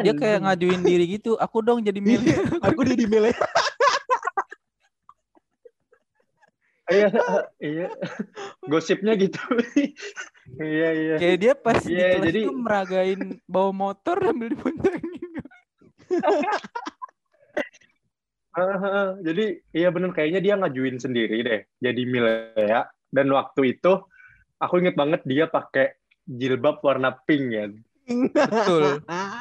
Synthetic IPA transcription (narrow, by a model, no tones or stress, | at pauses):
diakajaŋad͡ʒuɪndiɾiɡit̪uʔakudɔŋd͡ʒadimeleakudadimele | jaija | ɡosɪp̚ɲaɡit̪u | ijaijakajjaʔdiapasjialad͡ʒadiməɾaɡaɪnbawamot̪ɔrdambildipoɲt͡ʃaŋia | əɦəəd͡ʒadiijabənərkajaɲadiaŋad͡ʒuɪnsəndiɾidɛh | d͡ʒadimileaʔ | danwak̚t̪uit̪u | akuiŋət̪̚baŋət̪̚diapakeʔ | d͡ʒilbap̚warnapɪŋkan | bət̪ʊl